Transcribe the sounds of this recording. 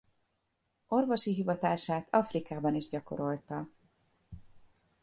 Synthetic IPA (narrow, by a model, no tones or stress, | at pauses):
o̞rvo̞ʃiɦivɒt̪aːʃaːt̪ʰɒfrikaːbɒniʒɟɒko̞̰ɾo̞lt̪ɒ